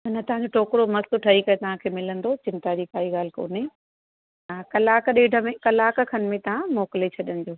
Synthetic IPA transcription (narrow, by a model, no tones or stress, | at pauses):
ɦʊnət̪ɐɦãd͡ʑoʈʰoːkɾomɐst̪ʊʈʰɐɦikɐjot̪ɐʋ̤ãkʰeːmɪlə̃nd̪ot͡ɕɪ̃nt̪ad͡ʑiːkaːiɠaːl̤ɪko̰ːnɪ | ɦaːkɐlaːkɗeːɖʱəmẽkɐlaːkkʰɐn̆mẽt̪ɐʋ̤ãmɔːkɪlet͡ɕʰɐɗənɪ̆d͡ʑoː